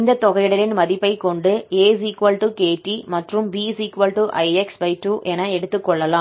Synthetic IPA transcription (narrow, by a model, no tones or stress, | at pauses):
ɪnd̪ɐt̪ːɔɣɐjɽɐɾɪnmɐðɪpːɐɪkːɔɳɖɯeːs̬iːkʋɐlʈukeːʈːimɐʈrɯmbiːsiːkʋɐlʈuʔɐɪɛksʋɐɪʈːuʔɛnɐɛɽɯt̪ːɯkːɔɭːɐlãː